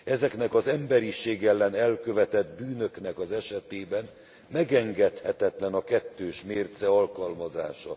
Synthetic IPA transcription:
ɛzɛknɛkɒzɛmbɛɾiʃeːɡɛlːɛnɛlkø̞vɛt̪ɛd̪byːnø̞knɛkɒzɛʃɛt̪eːbɛn | mɛɡɛŋɡɛt̪hɛt̪ɛt̪lɛnɒkɛt̪ːøːʃmeːrt̪sɛɒlkɒlmɒza̰ːʃɒ

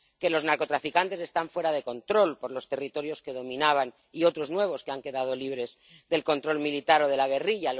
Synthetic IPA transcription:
ke̞loznaɾko̞t̪ɾafikant̪ese̞st̪aɱfwe̞ɾað̞e̞ko̞nt̪ɾo̞lpo̞ɾlo̞st̪e̞rit̪o̞ɾjo̞ske̞ðo̞mĩnaβ̞an | io̞t̪ɾo̞znwe̞β̞o̞skeaŋke̞ðað̞o̞liβ̞ɾe̞z | ðe̞lko̞nt̪ɾo̞lmilit̪aɾo̞ðe̞laɣ̞e̞riʎa

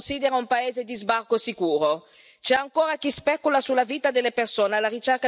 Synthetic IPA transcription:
nsiːd̪eɾaumpaeːzed̪izbarkosikuːɾo | t͡ʃɛaŋkoːɾakispɛkulasulaviːt̪ad̪elepersoːnalaɾit͡ʃɛrka

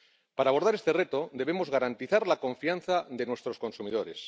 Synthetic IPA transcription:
paɾaːβo̞ɾð̞aɾe̞st̪ere̞t̪o̞d̪e̞β̞e̞mo̞zɣaɾant̪iθaɾlako̞ɱfianθaðenwe̞st̪ɾo̞sko̞nsumiðo̞ɾe̞s

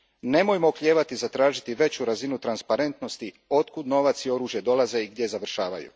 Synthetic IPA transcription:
ne̞mo̞jmokʎʲe̞ːʋat̪izat̪ɾaːʒit̪iʋe̞t͡ɕuɾazinut̪ɾanspaɾe̞nt̪no̞st̪i | o̞t̪kud̪no̞ʋat̪sio̞ɾuːʒje̞d̪o̞lˠaze̞iɡd̪ʲje̞zaʋr̩ʃaːʋa̰jṵ

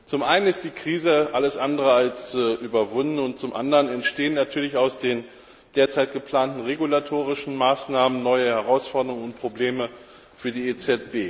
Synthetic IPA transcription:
t͡sʊmʔaɪnənɪst̚d̥iːkʁ̥iːzəʔaləsʔandəʁəalsʔyːbɐvʊndn̩ʊnt̚t͡sʊmʔa̰ndəʁənɛntʃteːənːatʰyːɐlɪçaʊsd̥eːn | d̥eːɐt͡saɪtɡ̥əpl̥aːntn̩ʁeɡulatʰoːʁ̞ɪʃn̩maːsnaːmənnɔʏəhɛʁaʊsfɔɐdəʁʊŋəʊntpʁ̥obleːmə | fyːɐdiːeːt͡sɛt̚b̥eː

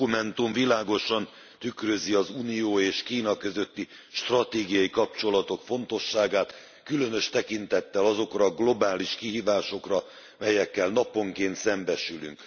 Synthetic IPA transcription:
umɛnt̪uɱvilaːɡo̞ʃɒn | t̪ykrø̞ziɒzuːnijoːeːʃkiːnɒkø̞zø̞t̪ːi | ʃt̪rɒt̪eːɡijɒikɒpt͡ʃo̞lɒt̪o̞kfo̞nt̪o̞ʃːaːɡaːt̪ | kylø̞nø̞ʃt̪ɛkint̪ɛt̪ːɛlɒzo̞krɒɡlo̞baːliʃkiɦiːvaːʃo̞krɒ | mɛjɛkːɛlnɒpo̞ŋkeːnt̪sɛmbɛʃyly̰ŋk

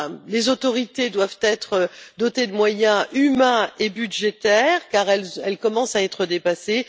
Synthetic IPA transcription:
lezot̪ɔʁit̪ed̪wavt̪ɛt̪χəd̪ɔt̪ed̪əmwajɛ̃ʔymɛ̃ebyd̪ʒet̪ɛʁkaʁɛlɛlkɔmɑ̃saɛt̪χəd̪epase

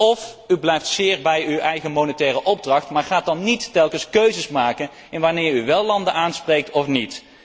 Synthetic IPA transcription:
ɔfyblɛjftsɪːɹbɛjywɛjχəmownətɛːrəʔɔb̚drɑχtmaːɹχaːt̚dɑnːitːɛlˠkənskøɥzəsmaːkən | ɪnʋaːnɪːɹyʋɛlˠːɑndənaːnsprejk̚tɔfnit

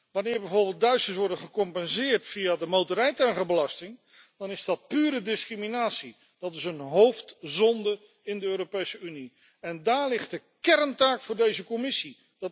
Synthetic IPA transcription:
ʋɑnɪːɹbɛjvoːɹbɪlˠt̚dœɥstəsʋɔɹdənχəkɔmpɛnzɪːɹtfijadəmowtəɾɛjtaŋχəbəlɑstɪŋ | d̥ɑnɪzdɑt̚pyːɾədɪskriminaːtsi | d̥ɑtɪsənɦowftzɔndə | ɪndəøːɾopejsəyni | ɛndaːɹlɪχt̚də | kɛrmtaːkfʊːɹdejzəkɔmɪsi | d

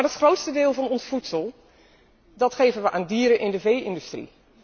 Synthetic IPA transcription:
aɹətχrowtstədɪːlˠvɑnɔnsfutsəlˠ | dɑtχejvənʋəʔaːndiːəɾənʔɪndəvejɪndystrḭ

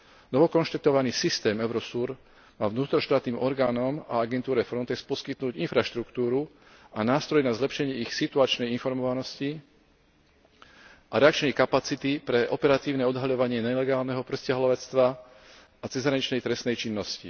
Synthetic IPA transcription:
nɔʋɔkɔnʃt̪at̪ɔʋaniːsist̪ɛːmɛʊɾɔsuːɾ | maːʋnuːt̪ɾɔʃt̪aːt̪niːmʔɔɾɡaːnɔma̰aɡɛnt̪uːɾɛfɾɔnt̪ɛkspɔskit̪nuːɟinfɾaʃt̪ɾukt̪uːɾu | anaːst̪ɾɔjnazlɛpʃɛɲɪɛixsit̪uat͡ʃnɛjinfɔɾmɔʋanɔsci | aɾɛakt͡ʃnɛjkapat͡sit̪ipɾɛʔɔpɛɾat̪iːʊnɛɔd̪ɦaʎɔʋaɲɪɛɲɛlɛɡaːlnɛɦɔpɾscɪaɦlɔʋɛt͡st̪ʋaː | t͡sɛzɦɾaɲit͡ʃnɛjt̪ɾɛsnɛjt͡ʃinːɔscḭ

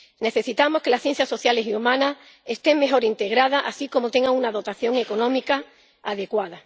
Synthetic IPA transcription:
ne̞θe̞sit̪amo̞ske̞lasθje̞n̟θjaso̞θjale̞siumãna | e̞st̪e̞ŋme̞xo̞ɾint̪e̞ɣɾað̞aʔasiko̞mo̞t̪e̞ŋɡaŋunaðo̞t̪aθjo̞ŋe̞ko̞nõ̞mika | aðe̞kwaða

